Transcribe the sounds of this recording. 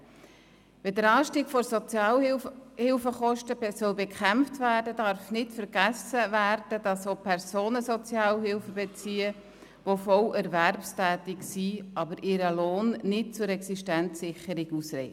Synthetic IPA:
ʋɛdəɾɑːʃtiːɡ̥fɔɾsɔt͡sjɑːlhɪlfəχɔʃtəsœlbɛkχæmftvæːrdədɑɾfnɪtfəɾɡ̥æsəʋæɾd̥əd̥ɑsopʰɛɾsoːnəsɔt͡sjɑːlɦɪlfəbɛt͡siːə | ʋofɔlɛɾværpstæːt̪ɪksiʔɑbəɾʔɪɾəloːnnɪt̚t͡sʊɾɛksiʃtænt͡sːɪχəɾiɡusɾɛ̰ɪ

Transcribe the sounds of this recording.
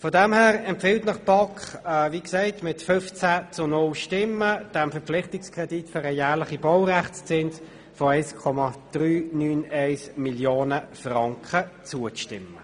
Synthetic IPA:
fɔdɛmhæːʁɛmpfɪltnɑχb̥ɑkχviːksɛɪtmɪtfʏft͡sæt͡sʊnʊlʃtɪmːəd̥ɛmfɛɐp͡flɪχtɪkskʁɛditføɾəjæːʁlɪχibɔʊʁæχt͡st͡sɪns | fɔɛɪskʰɔmɑd̥ʁyːnyːnɛɪsmiljoːnəfʁɑŋkχət͡suəʃtɪmːə

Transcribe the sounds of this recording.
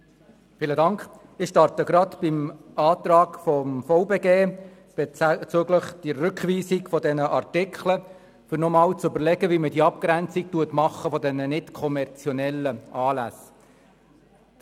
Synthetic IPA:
fiːlədɑŋkχ | ɪχʃtɑrtəɡɾɑt̪b̥ɪmɑːt̪rɑːkfɔmfoʊbeːɡeː | b̥t͡søɡləχd̥iːʏkχʋiːsikfɔdɛnəʔɑrtɪkχlə | fʏɾnɔmɑːlt͡sʏbəɾlɛɡəvimədiɑp̚kɾænt͡sik̚tuətmɑχːəfɔdɛnənɪtkʰɔmɛrt͡sjɔnɛlːəʔɑːlæ̰s

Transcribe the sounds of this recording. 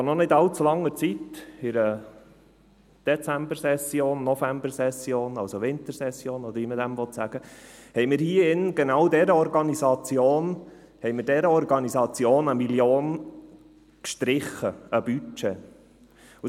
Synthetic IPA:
onɔnɪd̪ɑlt͡sulɑŋːət͡sit̪ɪɾə | d̥ɛt͡sæmbəɾsɛsjoːnːɔfæmbəɾsɛsjoːnɑlsoʋɪnt̪əɾsɛsjoːnɔd̪əɾʋimədæmʋɔt̪sæɡ̥əhɛɪmɪɾhiəɪnɡ̥enɑwdɛɾəɔɾɡɑnizɑt͡sjoːn | hɛɪmɪɾdɛɾəɔɾɡɑnizɑt͡sjoːnəmiljoːn | kʃtɾɪχːəəb̥yt͡ʃe | u

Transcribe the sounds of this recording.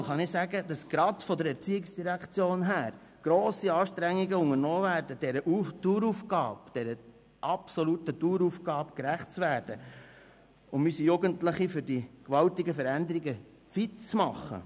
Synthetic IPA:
χɑnɪsæɡəd̥ɑsɡ̥ɾɑdfɔd̪əɾɛɾt͡siːɪksd̥iɾækt͡sjoːnɦæːɾ | ɡ̥ɾoːsiɑːʃtɾæŋːiɡəʊŋəɾnɔːvæːɾdəd̥ɛɾəʔutuːɾufɡɑːb̥d̥ɛɾə | ʔɑpsɔlutətuːɾufɡɑːpkɾæχt̚t͡sʋæːɾd̥ə | ʊmysijuɡəntləχifʏɾdikʋɑltiɡəfəɾænd̪əɾiɡə | fɪtt͡smɑχːə̰

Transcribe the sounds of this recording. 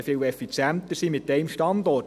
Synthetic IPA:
fɪwɛfit͡sjænt̪əsimɪtt̚dɛɪmʃtɑnd̪ɔ

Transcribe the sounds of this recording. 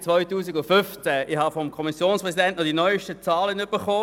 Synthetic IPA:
t͡svɔʏtuːsiɡʊfʏft͡sɛɪhɑfɔmkʰɔmisjoːnspʁɛzidɛntnɔdinɔʏʃtət͡sɑːlənʏb̥əχoː

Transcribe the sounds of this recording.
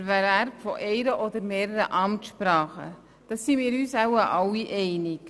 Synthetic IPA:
væɾæɾpfɔʔɛɪɾəʔɔd̪əɾmeːɾəɾəʔɑmtʃpɾɑːχə̰ | d̥ɑsːimiːɾyːsawəʔɑwiʔɛɪnɪk

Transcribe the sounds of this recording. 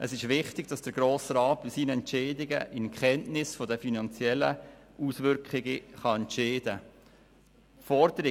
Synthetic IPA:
ʔəsɪʃʋɪχtɪɡd̥ɑsd̥əɾɡɾoːsɾɑːt̚b̥ɪsiːnəɛntt͡ʃeːdɪɡə̰ʔɪnkχɛntnɪsfɔdəfinɑnt͡sjɛlːəʔusʋʏɾkχɪɡəχɑɛntʃeːdə | fɔɾd̪əɾɪ

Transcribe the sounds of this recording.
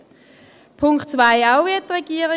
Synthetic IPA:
pʰʊŋkχtt͡svaɪaʊviɐttʁɛɡ̥iːəʁɪ

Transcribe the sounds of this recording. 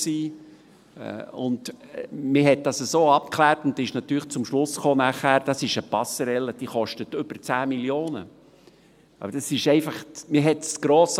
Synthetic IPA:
sḭː | ʊndmɪɦɛt̚d̥ɑsəsoːɑp̚kʰlæːrtʊnd̪ɪʃnɑt̪yːɾləχt͡sʊmʃlʊsχoːnæχhæːɾd̥ɑsɪʃəpɑsəɾɛlːəd̥iːχɔʃtətʏb̥ərt͡sæːmiljoːnə̰ | ʔɑ̰bəɾd̥ɑsɪʃɛɪfɑχmɪɦɛtsɡ̥ɾoːs

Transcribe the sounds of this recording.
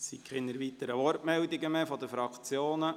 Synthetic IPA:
sikʰχɪnəɾʋit̪əɾəʋɔrtmɛld̪iɡəmɛfɔd̪əfɾɑkʰt͡sjoːnə

